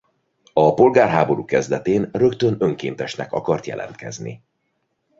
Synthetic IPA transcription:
ɒpo̞lɡaːrɦaːbo̞ɾuːkɛzd̪ɛt̪eːnrø̞kt̪ønø̞ŋkḛːnt̪ɛʃnɛkɒ̰kɒrt̪jɛ̰lʔɛ̰nt̪kɛ̰znḭ

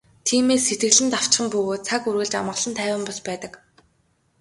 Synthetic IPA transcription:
t̪ʰiːmeːsːet̪ɡɘ̆ɣɮɘ̆nt̪aw̥t͡ɕχə̆mpɵɣoːt̪̚t͡sʰakurɣɘ̆ɮt͡ɕamə̆ʁɮə̆nt̪ʰæːwə̆mpɔɮpæːt̪ə̆k

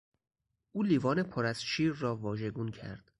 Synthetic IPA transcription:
ʔuːliːvɒːne̞pʰoɾæz̥ʃiːɾːɒːvɒːʒe̞ɡuːncʰæ̰ɾd̪̥

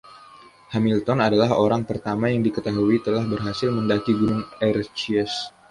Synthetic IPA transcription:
hamilt̪ɔnadalaɦoɾaŋpərt̪amajaŋdikət̪aɦuit̪əlahbərɦasɪlməndakiɡunʊŋɛrt͡ʃiɛs

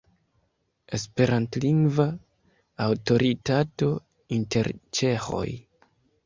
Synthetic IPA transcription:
e̞spe̞ɾʔantliŋɡva | awto̞ɾʔitato̞ | inte̞ɾt͡ʃe̞xo̞̰j

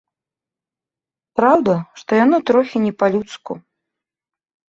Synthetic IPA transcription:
pɾawd̪ɐʂt̪ɔjanɔt̪ɾɔxʲinʲɛpalʲut̪skṵ

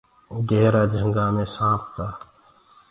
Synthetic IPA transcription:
ɡɛːɾaːd͡ʒʱə̃ŋɡaːmẽsãːpʰk̪aː

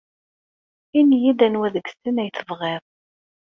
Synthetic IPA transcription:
injid̪ænwæðəɡsənæjθəvʁɪðˤ

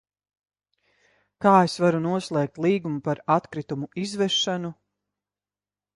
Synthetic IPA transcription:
kaːesvaɾunuɔslˠɛːk̚t̪lˠiːɡumupaɾat̪kɾit̪umuʔizvɛʃanu

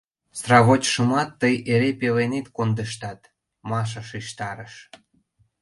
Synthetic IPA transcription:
srɑβot͡ɕʃə̆mɑt̪ːəjeɾepelenet̪kond̪əʃt̪ɑt̪ | mɑʃ̬əʃiʃt̪ɑɾəʃ

